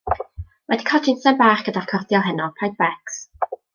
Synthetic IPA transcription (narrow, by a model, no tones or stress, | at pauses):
wɛdikʰɔdɪnsɛnbaːrkɡ̥ədarkʰɔrdjɔlˠɦɛnɔpʰajd̚bɛks